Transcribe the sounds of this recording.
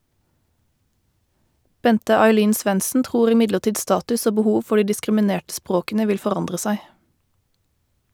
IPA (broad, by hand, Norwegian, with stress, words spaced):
ˈbɛntə ɑɪˈliːn ˈsʋɛnsn̩ ˈtʁuːʁ ɪˈmɪdləˌʈiːd ˈstɑːtʉs ˈoː bəˈhuːʋ ˈfɔ ˈɖiː dɪskʁɪməˈneːʈ ˈspʁoːkn̩ə ˈʋɪl fɔˈʁɑndʁə ˈsæɪ